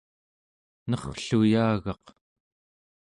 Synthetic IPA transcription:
nʌχɬujaːɣɑq

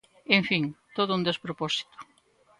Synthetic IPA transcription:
eɱfiŋt̪oðʊund̪espɾoposi̥t̪ʊ̥

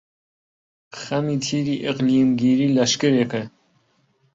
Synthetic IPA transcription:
xɐmiːt̪ʰiːɾiːʔɪqliːmɡiːɾiːlɐʃkɨɾekɨ

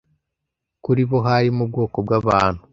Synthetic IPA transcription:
kuɾiβo̞ɦaɾimubɡo̞ːkobɡaβaːn̥hu

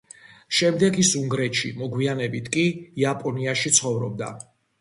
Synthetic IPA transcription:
ʃɛmd̪ɛɡisuŋɡɾɛt̪ʃḭmɔɡwianɛbit̪ʰkʼiːapʼɔniaʃit̪sʰχɔvɾɔb̚d̪a̰

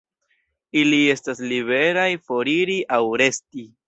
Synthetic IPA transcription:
ilie̞stasliβe̞ɾajfo̞ɾiɾiʔawɾe̞sti

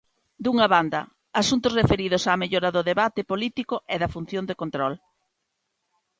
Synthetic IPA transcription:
d̪uŋɐβand̪ɐː | sunt̪ʊsrefeɾiðʊsameʎoɾɐðʊðeβat̪ɪpolit̪ikʊʔɛðɐfun̟θjond̪ekont̪ɾɔl

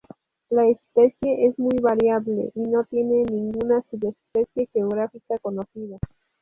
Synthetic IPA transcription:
laespe̞sje̞ʔezmujβaɾjaβle̞̰ʔino̞t̪je̞ne̞nĩŋɡunasiðespe̞sje̞xeoɣɾafikako̞no̞θiða

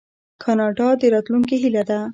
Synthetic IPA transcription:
kʰɑnɑɖɑd̪əɾɑt̪luŋk̬eɦilad̪a

